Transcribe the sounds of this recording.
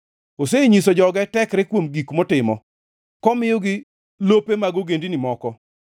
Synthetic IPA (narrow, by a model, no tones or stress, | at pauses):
oseɲisod͡ʒɔɡɛtɛkɾɪkwomɡikmɔtɪmɔ | kɔmɪjɔɡɪ | lopemaɡoɡendinɪmɔkɔ